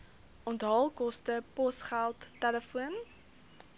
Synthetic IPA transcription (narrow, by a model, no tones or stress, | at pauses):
ɔntɦɑlˠkɔstəpɔsχælˠtːɛləfuən